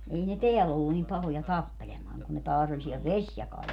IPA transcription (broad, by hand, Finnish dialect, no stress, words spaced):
ei ne teælː olːu nim pɑhojɑ tɑpːelemɑːŋ kun ne tɑːs olʲ siɛl ʋesʲjɑkɑːl